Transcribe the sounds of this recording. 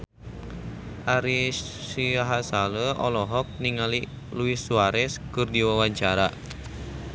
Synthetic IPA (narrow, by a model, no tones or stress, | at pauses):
ʔaɾisiaɦasaləʔɔlɔɦɔk̚niŋali | luisːuaɾɛskɨrdiwawaɲt͡ʃaɾa